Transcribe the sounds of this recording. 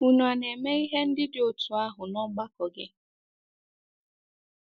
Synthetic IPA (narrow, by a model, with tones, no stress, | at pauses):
u˨ɲu˨a˨ne˨me˦i˦ɦe˦n̩˦dɪ˦dɪ˨o˨tu˨a˦ɦʊ˨nɔ˦ŋ͡mɡ͡ba˦kɔ˨ɡɪ˦